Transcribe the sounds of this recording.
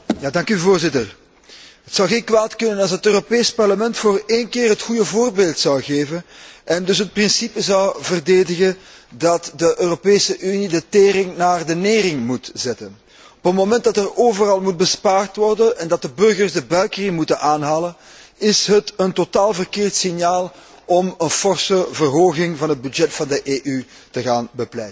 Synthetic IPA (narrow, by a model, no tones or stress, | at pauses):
jaːdɑŋkyvoːrzɪtər | ɦətsɑwɣeːnkwaːtkʏnənɑlˠsətøːropeːspɑrləmɛntfoːreːnkɪːrɦətxujəvoːrbeːlˠtsɑwɣeːvənʔɛndɵs̬ɦət̚prɪnsipəzɑwvərdeːdəɣəndɑtdəʔøːropeːsəʔynidəteːɾɪŋnaːrdəneːrɪŋmutz̥ɛtən | ɔpətmomɛnt̚dɑtɛroːvərɑlˠmud̚bəspaːrtʋɔrdənɛndɑt̚dəbɵrɣərzdəbœɥkərɪŋmutənʔaːnɦaːlənɪsɦətəntotaːlˠvərkeːrtsɪnjaːlˠ | ɔmənfɔrsəvərɦoːɣɪŋvɑnɦəd̚byd͡ʒɛtfɑndəʔeːʔy | təɣaːnbəplɛjtə